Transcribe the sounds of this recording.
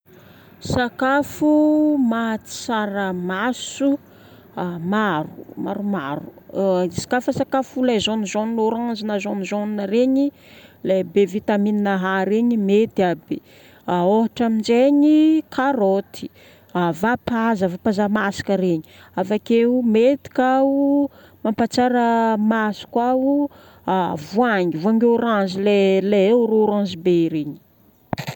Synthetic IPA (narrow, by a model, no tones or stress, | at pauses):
sakafumat͡s̪i̥saɾəmasu | amaɾuma̰ɾumaɾusḁkafəsakafulazonizoninoɾaŋzinazonizoninaɾeɲi | labevit̪amininaɦaɾeɲimet̪iabi | aoɦaʈ͡ʂamind͡ʒeɲikʰaɾot̪ʰi̥ | avapazavapazamasi̥kəɾeɲi | afakeumet̪i̥kʲau | mampat͡saɾəmasi̥kau | vuaŋivuaŋɡoɾãnzileleewɾoɾãnzibeɾeɲi̥